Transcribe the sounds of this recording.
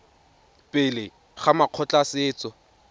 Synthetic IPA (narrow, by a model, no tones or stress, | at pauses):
pʼɪlɪ | χamaq͡χʰɔt͡ɬasɪːt͡sɔ